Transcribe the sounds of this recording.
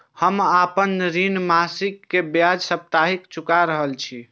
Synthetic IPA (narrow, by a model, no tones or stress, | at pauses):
həmapənɾinmasikːebjad͡ʒsəp̚t̪aɦikt͡ʃʰukaɾəɦəlt͡ʃʰi